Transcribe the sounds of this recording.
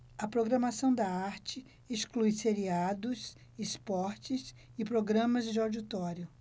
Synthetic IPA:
ɐpɾoɡɾɐmasɐ̃w̃d̪ɐaɾt͡ʃɪ | esklujseɾiad̪ʊs | espɔɾt͡ʃɪs | ɪpɾoɡɾɐ̃mɐzd͡ʒɪawd͡ʒit̪ɔɾjʊ

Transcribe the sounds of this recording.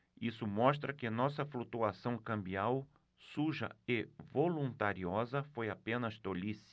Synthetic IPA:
isʊmɔʃt̪ɾɐkɪnɔsɐflut̪uasɐ̃w̃kɐ̃mbiaw | suʒɐ̰ɪvolũnt̪aɾiɔzɐfojapẽnɐst̪olis

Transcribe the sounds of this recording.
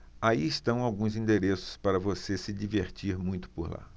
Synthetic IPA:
aiɪst̪ɐ̃w̃awɡũzĩnd̪eɾesʊ̥spaɾɐvosesɪd͡ʒiveɾt͡ʃiɾmũj̃t̪ʊ̥poɾla̰

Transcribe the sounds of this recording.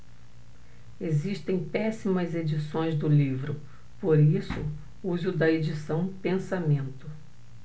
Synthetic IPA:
eziʃt̪ẽj̃pɛsimɐzed͡ʒisõj̃zd̪ʊlivɾʊ | poɾisʊ | uzʊd̪ɐed͡ʒisɐ̃w̃pẽsamẽnt̪ʊ

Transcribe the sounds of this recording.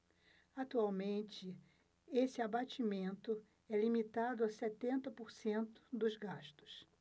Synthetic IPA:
at̪uawmẽnt͡ʃɪ | esɪabat͡ʃimẽnt̪ʊ | ɛlimit̪ad̪ʊaset̪ẽnt̪ɐpoɾsẽnt̪ʊ̥d̪ʊzɡaʃt̪ʊ̥s

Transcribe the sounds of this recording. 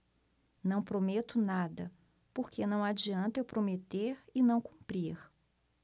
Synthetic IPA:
nɐ̃w̃pɾomet̪ʊnad̪ɐ | poɾkenɐ̃w̃ad͡ʒiɐ̃nt̪ewpɾomet̪eɾɪnɐ̃w̃kũpɾiɾ

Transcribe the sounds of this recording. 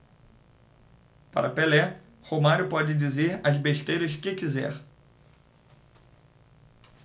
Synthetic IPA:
pa̰ɾɐpelɛ | homaɾʊpɔd͡ʒɪd͡ʒizeɾɐzbeʃt̪ejɾɐskɪkizɛ̰ɾ

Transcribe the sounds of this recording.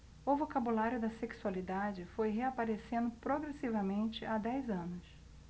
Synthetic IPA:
ʊvokabulaɾʲjʊd̪ɐseksualid̪ad͡ʒɪfojɦeapaɾesẽnd̪ʊpɾoɡɾesivɐmẽnt͡ʃɪʔad̪ɛjzɐ̃nʊs

